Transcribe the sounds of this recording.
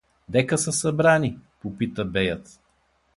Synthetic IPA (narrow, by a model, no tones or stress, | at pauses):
d̪ɛkəsəsɐbɾanipopit̪əbɛjət̪